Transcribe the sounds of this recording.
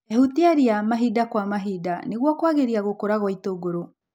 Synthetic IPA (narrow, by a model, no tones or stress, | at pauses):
ɛhutiaɾiamaɦidakwamaɦidaneɣwɔkwaɣeɾiaɣokoɾaɣwaitoɡoɾo